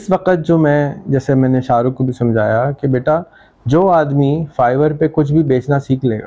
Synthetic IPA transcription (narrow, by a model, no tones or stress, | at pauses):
ɪsʋɐqət̪̚d͡ʒoːmɛ̃d͡ʒɛːsemɛ̃ːneʃaːɾʊkobʱisɐ̃md͡ʒʱaːjakebeːʈa | d͡ʒoːaːd̪mifaːɪʋəɾpekʊt͡ʃʰbʱibeːt͡ʃnasiːkʰlḛːɡa̰ː